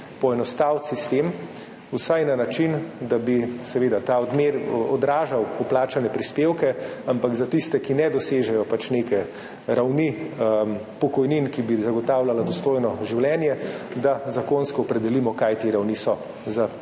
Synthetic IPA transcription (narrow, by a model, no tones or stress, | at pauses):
pɔɛnɔst̪aw̪sist̪em | usajnanat͡ʃind̪abisɛʋeːd̪at̪aɔd̪meɾɔd̪ɾaːʒawɔplaːt͡ʃanɛpɾispewkɛampaɡzat̪ist̪ɛkinɛd̪ɔseːʒɛjɔpat͡ʃnekɛ | ɾawni | pɔkɔjninkibizaɡɔt̪aːwlalad̪ɔst̪oːjnɔʒiwljɛnjɛd̪azakonskɔːpɾɛd̪ɛlimɔkajt̪eɾawnisɔ | za